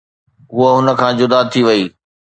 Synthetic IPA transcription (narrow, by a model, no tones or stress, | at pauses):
ɦʊəɦʊnə̆kʰãːd͡ʑʊd̪aːt̪ʰːiʋɐiː